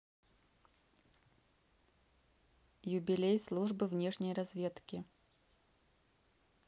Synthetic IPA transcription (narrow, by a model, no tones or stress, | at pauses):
jʊbʲɪlʲejslˠuʐbɨvnʲeʂnʲəjrɐzvʲet̪kʲɪ